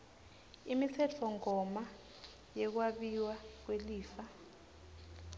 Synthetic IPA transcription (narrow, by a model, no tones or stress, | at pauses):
imit͡sʰɛt͡fʰɔŋɔma | jɛk̬waɓiwak̬weliːfa